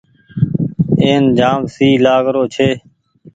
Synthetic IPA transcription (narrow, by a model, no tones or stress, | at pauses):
eːnd͡ʒãːmsiːlaːɡɾoːt͡ʃʰeː